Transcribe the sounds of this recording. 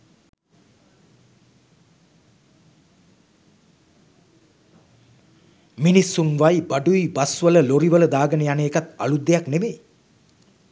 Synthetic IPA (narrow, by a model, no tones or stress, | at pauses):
minisːunʋajbaɖuibasʋələloɾiʋələd̪aːɡənəjanəekat̪a̰lud̪ːejaknemeː